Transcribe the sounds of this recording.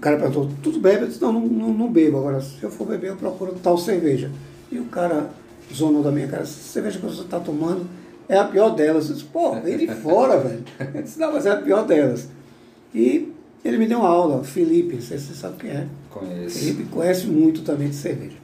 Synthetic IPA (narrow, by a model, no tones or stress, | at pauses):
ʊkaɾɐpeɾɣɡũt̪ot̪ud̪ʊbebɪewd̪isnɐ̃w̃nɐ̃w̃nɐ̃w̃nɐ̃w̃bebʊaɡɔɾɐsɪewfoɾbebeɾewpɾokuɾʊt̪awseɾveʒɐ | ɪʊkaɾɐ | zonod̪ɐmĩɲɐka̰ɾɐseɾveʒɐkɐoset̪at̪omɐ̃nd̪ʊ | ɛɐpiɔɾd̪ɛlɐzed̪ispoid͡ʒɪfɔɾɐvɛlʊẽɪsnɐ̃w̃mɐzɛɐpiɔɾd̪ɛlɐs | ɪ | elɪmɪd̪ew̃mɐawlɐfilipɪ̃sesisa̰bɪʊkeɛkõɛsfilipɪkõɲɛsɪmũj̃t̪ʊt̪ɐ̃mbẽj̃d̪ɪseɾveʒɐ